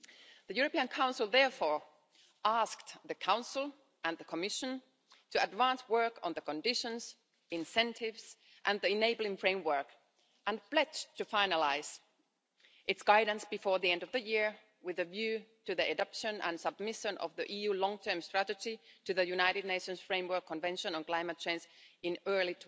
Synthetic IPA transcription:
ðɨjʉɹəpiɨ̃nkʰãʊ̃nsɪl̩ˠðɛɹfɔɹ | ʔæskðɨkʰãʊ̃nsl̩ˠ | ʔə̃nðəkʰəmɪʃə̃n | tʰɨədvæ̃nswɜ˞kʰə̃nðəkə̃ndɪʃə̃nz | ɪ̃nsɛ̃ntʰɪvz̥ | ʔɨ̃nðiɪneɪbl̩ˠɪ̃ŋfɹẽɪ̃mwɜ˞k | ʔə̃npl̥ɛd͡ʒtʰɨfaɪnəlaɪz̥ | ʔɨtsɡ̥aɪdn̩sb̥ɨfɔɹðiɛ̃ndʌvðɨjɪɹ | wɪðɨvjʉːtɨðiɨdʌpʃɨ̃nə̰̃nsʌb̚mɪʃə̃nʔʌ̰vðiʔijʉːlɔ̃ŋtʰɜ̃˞mstɹ̥æɾɨd͡ʒitɨðɨjʉnaɪɾɨd̚ⁿneɪʃɨ̃nsfɹẽɪ̃mwɜ˞kʰːə̃nvɛ̃nʃə̃nə̃nkl̥ãɪmət̚t͡ʃʰẽɪ̃nsɪ̃nɜː˞litʰ

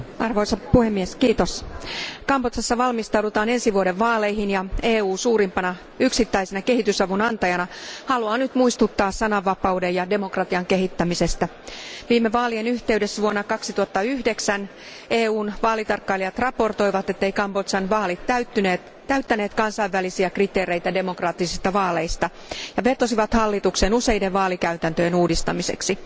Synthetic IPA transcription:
ɑrʋo̞isɑpuhe̞mːieskiːt̪o̞skɑmpot̪sɑsːɑʋɑlmist̪ɑwdut̪ɑːne̞nsiʋuode̞ʋːɑːle̞jɦinjɑeːuːsuːɾimpɑnɑ | yksit̪ːæjse̞nɑke̞ɦit̪ysɑʋunɑnt̪ɑjɑnɑhɑluɑːnyt̪muist̪ut̪ːɑːssɑnɑʋːɑpɑwdejɑde̞mo̞krɑt̪iɑŋke̞ɦit̪ːæmise̞st̪æ | ʋiːmeʋɑːlienyçt̪e̞ydesːʋuonːɑkɑksit̪uɑt̪ːɑyhde̞ksæn | eːuːnʋɑːlit̪ɑrkːɑiliɑt̪rɑpo̞rt̪o̞jʋɑt̪et̪ːe̞ikɑmbot̪sɑnʋɑːlit̪ːæyt̪ːyneːt̪ | t̪ːæyt̪ːæneːt̪kɑnsɑiʋːælisiækrit̪e̞ːɾe̞ijt̪æde̞mo̞krɑːt̪ːisist̪ɑʋɑːle̞ist̪ɑ | jɑʋe̞rt̪osiʋɑt̪hɑlːit̪uksenuse̞jde̞ʋʋɑːlikæyt̪ænt̪øjenuːdist̪ɑmise̞̰ksi

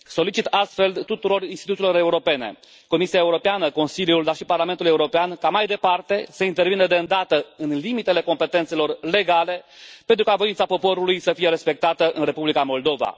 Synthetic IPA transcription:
so̞lit͡ʃit̪ast̪fe̞lt̪ut̪uɾo̞rinst̪it̪ut̪ʲilo̞ɾe̞uɾo̞pe̞ne̞̰ | ko̞misiaeuɾo̞peanəko̞nsiljuld̪arʃiparlamet̪ule̞uɾo̞peankamajd̪e̞part̪e̞səint̪e̞rvinəd̪eɨnd̪at̪əɨnlimit̪e̞le̞ko̞mpe̞t̪e̞nt̪selo̞rle̞ɡale̞pe̞nt̪ɾukavo̞int̪sapo̞po̞ɾulujsəfije̞ɾe̞spe̞k̚t̪at̪əʔɨnre̞publikamo̞ld̪o̞va̰

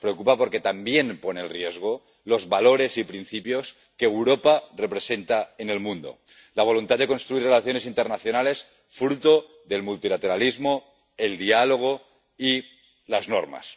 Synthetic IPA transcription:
pɾeokupapo̞ɾke̞t̪ambje̞npo̞neelrjezɣ̞o | lo̞zβalo̞ɾe̞sipɾin̟θipjo̞s | kewɾoparepɾese̞nt̪aene̞lmũnd̪o̞̰ | laβ̞o̞lunt̪ad̪e̞ko̞nst̪ɾuirelaθjo̞ne̞s̬int̪eɾnaθjo̞nale̞s | fɾut̪o | ðe̞lmult̪ilat̪e̞ɾalizmo | e̞ld̪ialo̞ɣ̞o | i | lazno̰ɾma̰s

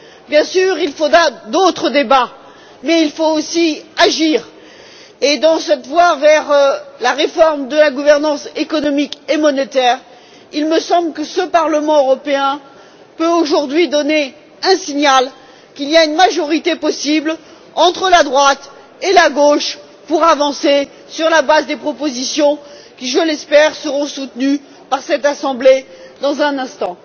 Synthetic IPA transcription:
bjɛ̃syʁilfod̪ʁad̪ot̪χəd̪eba | mɛilfoosiaʒiːʁ | ed̪ɑ̃sɛt̪vwavɛʁlaʁefɔʁmd̪əlaɡuvɛʁnɑ̃sekɔnɔmikemɔnet̪ɛːʁ | ilməsɑ̃blkəsəpaʁləmɑ̃øʁɔpeɛ̃ | pøoʒuʁd̪ɥid̪ɔne | ɛ̃siɲal | kʲiliaynmaʒɔʁit̪epɔsibl | ɑ̃t̪χəlad̪ʁwat̪ | elaɡoʃ | puʁavɑ̃se | syʁlabazd̪epχɔpozisjɔ̃ | kʲiʒəlɛspɛʁsəʁɔ̃sut̪ny | paʁsɛt̪asɑ̃bled̪ɑ̃zɛ̃nɛ̃st̪ɑ̃

